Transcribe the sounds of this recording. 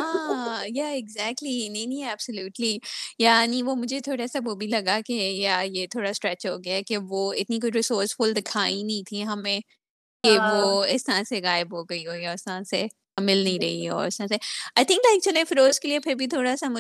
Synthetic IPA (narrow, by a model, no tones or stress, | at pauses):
aːjaɪɡzæk̚ʈlinɐ̃nĩɛːb̥səljuːʈlijanĩʋoːmʊd͡ʒʱet̪ʰoːɽasaʋoːbʱilɐɡakejajet̪ʰoːɽasʈɾɛt͡ʃɦoːɡɐjaɛkeʋoːɪt̪nik̬oːiɾɪsoːɾsfʊld̪ɪkʰaːinɐĩt̪ʰiɦɐmẽ | keʋoɪst̪əɐɾãseɣaːɪbɦoɡɐiɦoːiɔːɾɪst̪əɾãse | ɐmɪlnɐɦĩɾɐɦḭɛɔ̰ːɾɪst̪əɾãseaːɪt̪ʰɪ̃ŋklaɪk̚t͡ʃʊlẽfɾoːzkeliepʰɪɾbʱit̪ʰoːɽasamʊ